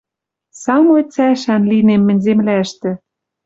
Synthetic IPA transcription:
sɑmojt͡sæʃænlinemːɘ̆nʲzemlæʃt̪ɘ̆

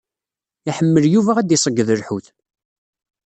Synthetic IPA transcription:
iħəmːəljuvæʁæd̪ɪsˤəɡːðəɾħuθ

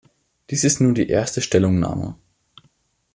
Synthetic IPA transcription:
d̥iːsɪstnuːɐdḭːʔeːɐstəʃtɛlʊŋna̰ːmə̰

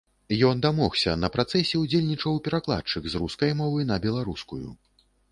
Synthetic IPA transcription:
jɔnd̪amɔxsʲɐ̰nɐpɾat̪sɛsʲɛud͡zʲelʲnʲit͡ʂɐwpʲɛɾaklˠa̰t̪t͡ʂɨkzɾuskɐjmɔvɨnɐbʲɛlˠaɾuskujṵ

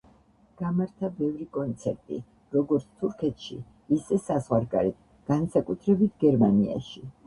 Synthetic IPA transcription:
ɡ̥amaɾt̪ʰabɛvɾikʼɔnt̪sʰɛɾt̪ʼḭ | ɾɔɡɔɾt̪sʰt̪ʰuɾkʰɛt̪ʰʃḭː | sɛsazʁwaɾɡa̰ɾit̪̚ʰ | ɡ̥ansakʼut̪ʰɾɛbit̪ʰɡɛɾmania̰ʃi

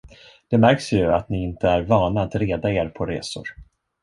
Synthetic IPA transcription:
d̪̥ɛmæɾksjɵat̪nɪɪnt̪əæɾvɑːnaːt̪ɾeːd̪aeːɾpʰɔɾḛːsʊ̰ɾ

